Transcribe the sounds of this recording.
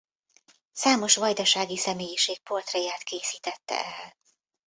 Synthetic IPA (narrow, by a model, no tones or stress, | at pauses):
saːmo̞ʃʋɒjd̪ɒʃaːɡisɛmeːjiʃeːk̚po̞rt̪rɛjaːt̪keːsiːt̪ɛt̪ːɛ̰ɛl